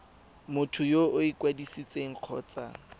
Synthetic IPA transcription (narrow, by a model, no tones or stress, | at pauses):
mʊtʰʊjoʔʊikwadisit͡sʼeŋ̩q͡χʰɔ̰ːt͡sa̰